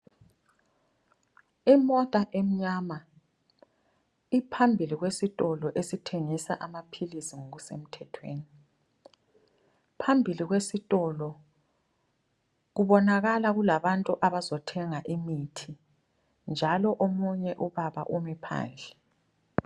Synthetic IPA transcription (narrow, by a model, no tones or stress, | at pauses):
imɔtʼaʔɛm̩ɲama | ipʰambʱiliɣwesitʼɔlɔʔesitʰeŋisa̰ʔamapʰilisiŋoɣusem̩tʰɛtʰwḛːni | pʰambʱiliɣwesitʼɔlɔ | ɣuβɔnaɣalaɣulaβantʼuʔaβazɔtʰɛŋaʔimitʰi | nd͡ʒʱalɔʔomuɲɛʔuβaβa̰ʔumɛpʰa̰ːnd͡ɮʱɛ